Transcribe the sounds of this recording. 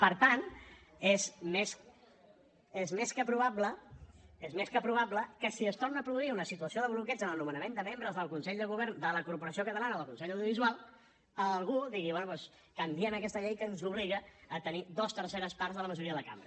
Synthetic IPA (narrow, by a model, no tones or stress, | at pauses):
pəɾt̪an | ezmes | ezmeskəpɾuβablə | ezmeskəpɾuβ̞apləkəsiəst̪ornəːpɾuðuiunəsit̪uəsioðəβlukɛd͡zənəlˠnumənəmẽnd̪əmembɾəzðəlˠkunsɛʎd̪əɣuβ̞ɛɾnd̪ələkuɾpuɾəsiokət̪əlanəðəlˠkunsɛʎawðjuβizualˠ | əlˠɣuðiɣiβwɛnupwɛs | kəmbiənəkɛst̪əʎejkənzuβ̞liɣəːt̪ənid̪ost̪əɾseɾəspaɾzðələməʒuɾiəðəəka̰mbɾə